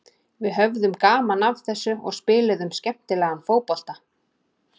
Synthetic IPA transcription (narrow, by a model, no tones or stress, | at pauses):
vɪðɦœvðʏmkaːmanavθɛsːʏɔ̰ɣspɪːlɪðʏmscɛm̥t̪ɪlɛːɣamfoːwpɔl̥t̪a